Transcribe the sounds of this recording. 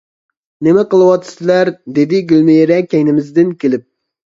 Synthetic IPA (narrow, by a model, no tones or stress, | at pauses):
nɪmɛqəlˠɨwɑt̪ʰːɨ̥sɪlæɾd̪ed̪ɪɡʲylmejeɾɛkʲɛjnɪmɪzd̪ɪnkʲelɪp̚